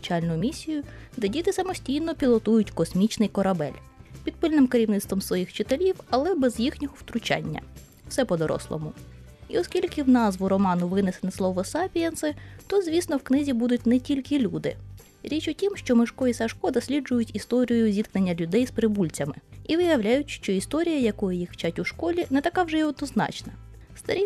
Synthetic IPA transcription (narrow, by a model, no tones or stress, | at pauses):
t͡ʃɑlʲnʊjʊmʲisʲijʊd̪ɛdʲit̪ɪsɐmɔsʲtʲijnɔpʲilˠɔt̪ujʊtʲkɔsmʲit͡ʃnɪjkɔɾɐbɛ̰lʲ | pʲid̪̚pɪlʲnɪmkeɾʲiʋnɪt̪st̪ʋɔmsʋɔjixt͡ʃɪt̪elʲiwɐlˠɛbɛzjixnʲɔɦɔwt̪ɾʊt͡ʃɑ̰nʲːɐ̰ | w̥sɛpɔd̪ɔɾɔ̰slˠɔ̰mʊ | iɔskʲilʲkɪwnɑzʋʊɾɔmɑnʊʋɪnɛsenɛslˠɔʋɔsɑpʲiɛnsɪt̪ɔzʲʋʲisnɔwknɪzʲibud̪ʊt̚ʲnɛtʲilʲkɪlʲud̪ɪ̰ | ɾʲit͡ʃʊtʲimʃt͡ʃɔmɪʃkɔjisɐʃkɔd̪ɔsʲlʲid͡ʒʊjʊtʲist̪ɔɾʲijʊzʲit̪knenʲːɐlʲʊd̪ɛjspɾɪbulʲt͡sʲɐmɪiʋɪjɐwlʲajʊtʲʃt͡ʃɔist̪ɔɾʲijɐjɐkɔjɛjixwt͡ʃatʲʊʃkɔlʲinɛt̪ɐkɑwʒɛiɔd̪nɔznɑ̰t͡ʃnɐ | st̪ɐɾʲi